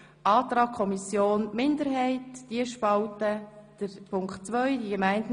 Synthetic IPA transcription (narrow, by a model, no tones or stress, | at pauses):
ʔɑːtɾɑːkʰːɔmisjoːnmɪndəɾɦɛɪtd̥iəʃpɑltəd̥əɾpʰʊŋktt͡sʋœʏdiɡemæɪnd